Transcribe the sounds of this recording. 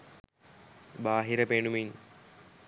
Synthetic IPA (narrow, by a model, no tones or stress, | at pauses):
baːɦiɾəpeːɳumin